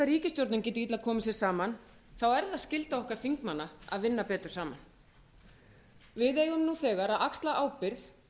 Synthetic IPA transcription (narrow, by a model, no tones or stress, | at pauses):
aɾriːcɪst̪jowɾt̪nɪncɛːt̪ɪit̪laðkʰɔːmɪsjɛɾ̥saːman | θawɛɾðaðscɪlt̪aɔhkvaɾ̥θiŋkmanːaa̰ðvɪnːapɛːt̪ʏɾ̥saːman | vɪðeːjɣʏmnuθɛːɣaɾaðakst̪laʔaːwpɪɾθ